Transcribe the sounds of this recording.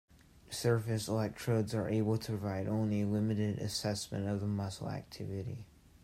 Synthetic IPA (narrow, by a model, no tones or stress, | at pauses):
sɜ˞fɨslaɪk̚tʰɹ̥oʊdzə˞ʔeɪbl̩ˠtʰə̥pʰɹ̥əvaɪɾõʊ̃nlilɪ̃mɨɾɪɾɨ̰sɛsmɨ̰̃ñtʌvðəmʌsl̩ˠæ̰k̚tʰɪvɨɾḭ